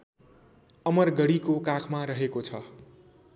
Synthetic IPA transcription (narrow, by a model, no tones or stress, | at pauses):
ʌmʌrɡʌɽikokakʰmaɾʌɦekot͡sʰʌ